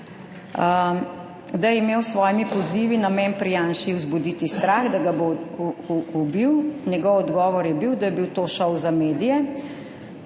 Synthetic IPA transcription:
d̪ajɛimeːwsʋɔːjmipɔziːʋinamɛnpɾijaːnʃiuzbud̪iːt̪ist̪ɾaɣd̪aɡabo | ubiwnjɛɡɔwɔd̪ɡɔːʋɔɾjɛbiwd̪ajɛbiwt̪oːʃɔwzameːd̪ijɛ

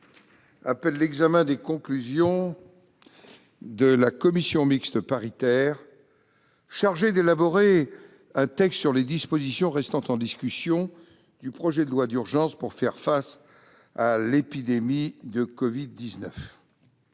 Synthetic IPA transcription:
apɛlːɛɡzamɛ̃d̪ekɔ̃klyzjɔ̃ | d̪əlakɔmisjɔ̃mikst̪əpaʁit̪ɛːʁ | ʃaʁʒed̪elabɔʁe | ɛ̃t̪ɛkst̪syʁled̪ispozisjɔ̃ʁɛst̪ɑ̃t̪ɑ̃d̪iskʲysjɔ̃ | d̪̥ypχɔʒɛd̪əlwad̪yʁʒɑ̃spuʁfɛʁfas | alepid̪emid̪əkɔvid̪ːiznœf

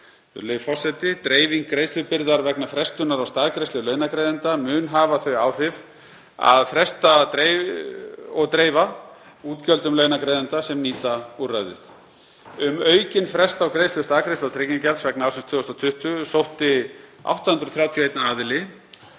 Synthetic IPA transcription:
lejvfɔr̥sɛt̪ɪt̪ɾeːjviŋkːɾejst̪ʏpɪɾðaɾvɛknafɾɛst̪ʏnaɾawst̪aːðkɾejst̪ʏlœːɥnakɾejðɪnt̪amʏːnɦaːvaθœɥaːwr̥ɪv | a̰ðfɾɛst̪at̪ɾe | ɔɣt̪ɾeːjva | uːt̪cœlt̪ʏmlœːɥnakɾeːjðɪnt̪asɛmniːt̪aurajðɪ̰θ | ʏmœːɥcɪnfɾɛst̪awkɾeːjst̪lʏst̪aːðkɾejslawt̪ʰɾɪcɪnŋcalsvɛknaawsɪnst̪ʰʏːɔst̪awt̪ʰʏht̪ʏsowht̪ɪa̰wht̪ahʏnɾʏθɾjaːwt̪ʰjɔejt̪naaːðɪlɪ

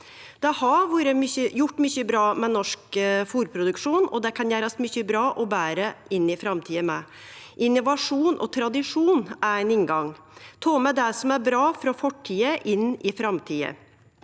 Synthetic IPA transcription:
d̪̥ɛhɑʋuːɾəmʏçəjʊʈːmʏçəbɾɑːmɛnɔʂkfuːɾpʰɾʊd̪ʉkʂuːnɔd̪ɛkʰɑnjæːɾəsmʏçːəbɾɑːʔɔbæːɾəʔɪnːɪfɾɑmt̪ʰiːəmɛ | ʔɪnːʊʋɑʂuːnʔɔ̰t̪ʰɾɑd̪ɪʂuːnæɾæɪnɪŋɡɑŋ | t̪ʰɑːmɛd̪ɛsɔmæɾbɾɑːfɾɔfɔʈʰːiːəʔɪnːɪfɾɑmt̪ʰiːə̰

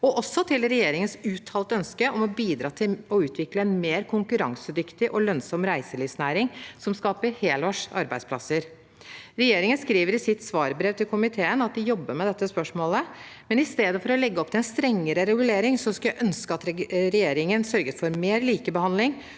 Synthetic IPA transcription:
ɔʔɔsɔt̪ʰɪlɾɛjeːɾɪŋənsʉːt̪ʰɑːlt̪əœnskəʔɔmɔbiːd̪ɾɑːt̪ʰɪlɔʉːt̪ʰʋɪkləɛnmeːɾkʰʊŋkʉɾɑŋsəd̪ʏkt̪ɪʔɔlœnsɔmːɾæɪsəliːfsnæːɾɪŋsɔmskɑːpəɾheːlɔʂɑ̰ɾbæɪd̪spʰlɑ̰səɾ | ɾɛjeːɾɪŋənskɾiːʋəɾɪsɪt̪ːsʋɑːɾbɾeːʋt̪ʰɪlkʰʊmɪt̪ʰeːənɑt̪̚d̪ɪjɔbːəɾmɛd̪ɛt̪ːəspœʂmoːlə | mɛnɪst̪eːd̪əfɔɾɔlɛɡːəɔp̚t̪ɪlɛnst̪ɾɛŋːəɾəɾɛɡʉleːɾɪŋsɔskɑjæʔœnskəɑt̪ɾɾɛjeːɾɪŋənsœɾɡəsfɔɾmeːɾliːkəbəhɑnd̪lɪŋ

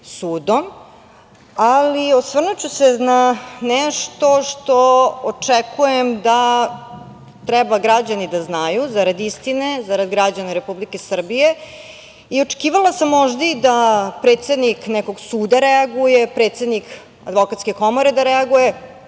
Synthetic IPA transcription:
suːd̪om | aliosʋr̩nut͡ɕusenanɛʃt̪o̞ʂt̪oot͡ʂekʰujemd̪a | t̪ɾɛbaɡɾad͡ʑanid̪aznajuzaɾad̪ist̪ine̞zaɾad̪ɡɾad͡ʑanaɾepublikesr̩bije̞ | io̞ʈ͡ʂe̥kiːʋalˠasamːoʒd̪aid̪apɾet̪sed̪niknɛkoɡsuːd̪aɾɛaɡujepɾeːt̪sed̪nik | a̰d̪ʋo̞kat̪skeko̞moɾe̞d̪aɾɛaɡuje

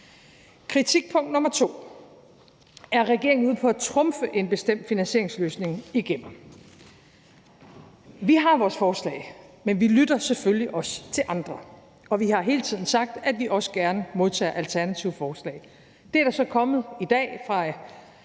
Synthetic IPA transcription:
kʰʁit͡sʰiɡ̥̚pʰɔ̽ŋ̰d̥nɔ̽mɐt͡sʰo̝̰ː | æɐʁɛɡ̥e̝ɐ̰eŋn̩uð̩̰ˠpʰɒ̽æt͡sʰʁɔ̽mfəʔe̝nb̥e̝sd̥em̰d̥finænɕe̝ɐ̰eŋsløːsne̝ŋiɡ̥em̰m̩ | ʋiɦɑ̈ʋɒːsfɒːslɛ̰ːmenʋilyd̥ɐseføljiʔɒ̽st͡sʰe̝lʔɑ̈nd̥ʁɐ | ɒ̽ʋiɦɑ̈ɦe̝ːlət͡sʰið̞̰ˠn̩sɑ̈ɡ̥̚d̥æd̥ʋiʔɒ̽sə̥ɡ̥æɐnəmo̝ð̞ˠt͡sʰɛ̰ːʔælt͡sʰæɐnæt͡sʰiʊfɒːslɛ̰ːɪ | d̥e̝æɐɾɑsɒ̽kʰɒ̽mð̩ˠid̥ɛ̰ːfʁɑ̈

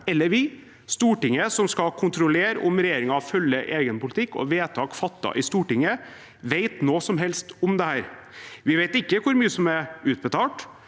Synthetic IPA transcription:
ɛlːəɾʋɪ | st̪uːʈɪŋːəsɔmskɑkʰʊnt̪ɾʊleːɾəʔʊ̰mɾɛjeːɾɪŋɑfœlːəʔeːɡənpʊlɪt̪ʰɪkːɔ̰ʋeːt̪ʰɑːkfɑt̪ːɑ̰ʔɪst̪uːʈɪŋə | ʋeɪt̪noːsɔmɦɛlst̪ʊmd̪ɛhæːɾ | ʋɪʋeɪt̪ɪkːəkʰʊɾmyːəsɔmɛʉːt̪̚bət̪ʰɑːʈ

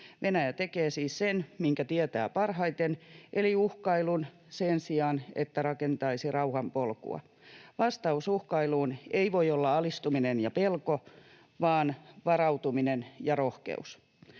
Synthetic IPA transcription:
ʋʔenæjæt̪ekeːsiːssenmiŋkæt̪iɛt̪æ̰ːpɑrɦɑit̪enʔeliuhkɑilun | sensiɑnḛt̪ːærɑkent̪ɑisirɑuhɑmpolkṵɑ̰ | ʋɑst̪ɑusuhkɑiluːneiʋoiolːɑɑlist̪uminenjɑpelko | ʋɑːnʋɑrɑut̪uminenjɑrohkḛus

